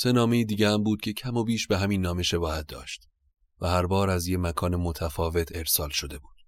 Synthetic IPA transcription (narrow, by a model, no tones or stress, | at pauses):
se̞nɒːme̞iːd̪iːɟeæmbuːd̪̥̚cʰe̞cʰæmobiːʃbe̞ɦæmiːnːɒːme̞ʃe̞bɒːhæt̪̚d̪ɒ̰ːʃt̪̚ | væhæɾbɒːɾæzjemækʰɒːnemot̪ʰæfɒːve̞t̪ʰe̞ɾsɒːlʃo̞d̪e̞buːd̪̥